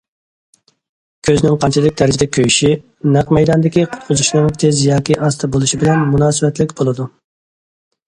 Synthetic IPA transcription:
kʲʰøznɪŋqʰɑnt͡ʃʰɪd̪ɪk̚ʲd̪ʰæɾɪd͡ʒɪd̪ɛkʲʰøjyʃi | næqmɛjd̪ɑnd̪ɪkʲiqʰʊ̥t̪qʰʊzuʃnɨŋt̪ʰezjɑːkʲiʔɑst̪ʰɨbolˠuʃibɪlɛnmunɑːsɨvɛt̪lɪkʲbolˠɨd̪u

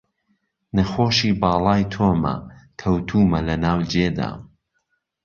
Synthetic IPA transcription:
nɐxoːʃiːbɑːlˠɑːjt̪ʰoːmɐ̰kʰɐwt̪ʰuːmɐlɐnaːwd͡ʒeːd̪a̰ː

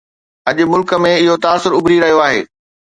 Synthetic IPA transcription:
ɐʄʊ̆mʊlkə̆mẽɪɦot̪aːsʊɾʊbʱɾiɾɐɦijoaːɦḛː

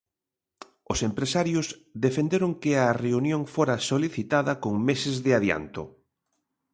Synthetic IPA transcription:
ʊsempɾesaɾjʊsðefend̪eɾʊŋkɪɐreunjõŋfoɾɐsoliθit̪aðɐkoŋmesɪzðɪaðja̰nt̪ʊ̰

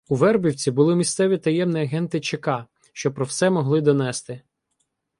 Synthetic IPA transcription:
uʋɛrbʲiwt͡sʲibʊlˠɪmʲist̪sɛʋʲit̪ɐjɛmniɐɦɛnt̪ɪt͡ʃekɑ | ʃt͡ʃɔpɾɔwsɛmɔɦlˠɪd̪ɔnɛst̪ɪ

